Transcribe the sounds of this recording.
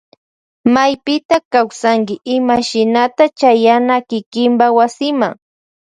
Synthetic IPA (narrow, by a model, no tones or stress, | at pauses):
majpɪt̪akawsaŋkɪʔɪmaʃɪnat̪at͡ʃajanakɪkɪmbawasɪmaŋ